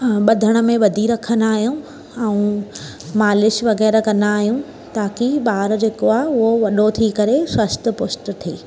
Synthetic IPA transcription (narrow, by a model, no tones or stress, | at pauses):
ɓɐd̪ʱəɽ̃ə̆mẽʋɐd̪ʱiɾɐkʰənaːɦijũ | ɛũ | maːlɪʃʋɐɣɛːɾkɐnd̪aːɦijũ | t̪aːkiɓaːɾd͡ʑeːkoaːɦeʊɦoʋɐɗot̪ʰikɐɾeswɐst̪ə̆pʊsʈə̆t̪ʰeː